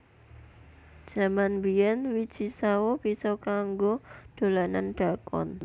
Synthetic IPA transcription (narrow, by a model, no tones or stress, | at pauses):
d̥ʒ̥a̤manbijɛnwid̥d͡ʒ̥i̤sawob̥isɔkaŋɡod̪̥o̤lananɖ̥a̤kɔ̰n